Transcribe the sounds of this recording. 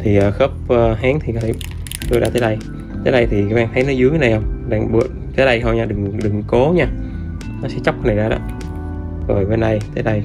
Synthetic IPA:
t̪ʰi˨˩ʔəː˨˩xəː˦˥p̚ʔəː˧ɦaː˨˦ŋt̪ʰi˨˩kɔ˨˦t̪ʰ | t̪o˧jɗa̰ː˧t̪əː˨˦ɗə˧j | t̪əː˨˦jɗa˧jt̪ʰi˨˩ka˨˦ɓaː˧ŋt̪ʰə˨˦jnɔ˨˦jzɨ˨˦əjna˨˩jhə˧wŋ͡mɗaː˧˩ŋɓɨ̰˧˩˨ənt̪ʰəː˨˦ɗə˧jɦə˧ɲaː˧ɗɨ˨˩ŋɗɨ˨˩ŋko˨˦ɲaː˧ | nɔ˨˦sɛ̰˧˥t͡ɕa˦˥wk͡p̚na˨˩jzaː˧ɗɔ̰˨˦ | zɔ̰˨˩jvəː˨˦jɗa˧jt̪əː˨˦jɗə˧j

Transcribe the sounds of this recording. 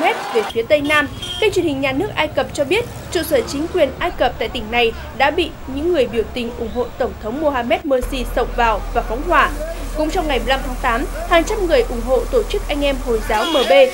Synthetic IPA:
ɛ˦˥t̚ve˨˩fi˨˦ət̪ə˧jnaː˧mkaː˦˥k̚t͡ɕwi˨˩ənhï˨˩ŋ̟ɲaː˨˩nɨ˦˥ək̚ʔaː˧jkə˨˩p̚t͡ɕɔ˧ɓi˦˥ət̚ | t͡ɕṵ˧˨səː˧˩t͡ɕï˨˦ŋ̟kwi˨˩ənʔaː˧jkə˨˩p̚t̪a̰ː˧˨jt̪ï˧˩ŋ̟na˨˩j | ɗa̰ː˧˥ɓḭ˧˨ɲɨ̰˧˥ŋːɨ˨˩əjɓi˧˩əwt̪ï˨˩ŋ̟ʔʊ˧˩ŋ͡mɦo̰˧˨t̪ə˧˩wŋ͡mt̪ʰə˨˦wŋ͡mmo˧haː˧mɛ˦˥t̚məː˧si˧sə˧˩wŋ͡mvaː˨˩wvaː˨˩fɔ˨˦wŋ͡mhwaː˧˩kʊ̰˧˥ŋ͡mt͡ɕɔ˧wŋ͡mŋa˨˩jmɨ˨˩la˧mt̪ʰaː˨˦ŋt̪aː˨˦mhaː˨˩ŋt͡ɕa˧mŋɨ˨˩əjʔʊ˧˩ŋ͡mɦo̰˧˨t̪o˧˩t͡ɕɨ˦˥k̚ʔa˧jŋ̟ʔɛ˧mho˨˩jzaː˨˦wməː˨˩ɓe˧

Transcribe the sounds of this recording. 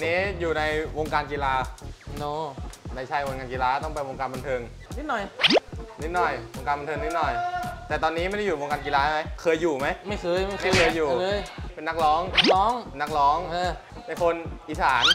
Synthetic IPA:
niː˦˥juː˨˩na˧jwo˧ŋkaː˧nkiː˧laː˧o˧na˧jt͡ɕʰa˧jwo˧ŋkaː˧nkiː˧laː˧t̪ɔ˥˩ŋpa˧jwo˧ŋkaː˧nba˧nt̪ʰɤː˧ŋ | ni˦˥t̪̚nɔ˨˩jni˦˥t̪̚nɔ˨˩jwo˧ŋkaː˧nba˧nt̪ʰɤː˧ni˦˥t̪̚nɔ˨˩jt̪ɛː˨˩t̪ɔː˧nːiː˦˥ma˥˩˨da˥˩juː˨˩o˧ŋkaː˧nk̬i˧laː˧ha˦˥˩ma˦˥jkʰɤː˧jːuː˨˩ma˦˥jma˥˩jkɤː˧jma˥˩a˥˩˧jkʰɤː˧jːuː˨˩˧jpe˧nːa˦˥k̚lɔː˦˥ŋː˦˥ŋpe˧nːa˦˥k̚lɔː˦˥ŋː˧pe˧nkʰo˧nʔiː˨˩saː˩˦n

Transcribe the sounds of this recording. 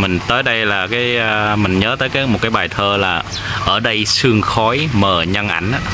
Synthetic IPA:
mï˨˩ŋ̟t̪əː˨˦jɗə˧jlaː˨˩kaː˨˦jːmï˨˩ŋ̟ɲəː˨˦t̪əː˨˦jkaː˨˦jmo˨˩t̚kaː˨˦jɓaː˨˩jt̪ʰəː˧laː˨˩ | ʔəː˧˩ɗə˧jsɨ˧əŋxɔ˨˦jməː˨˩ɲə˧nʔa̰˧˩jŋ̟ʔaː˧˥

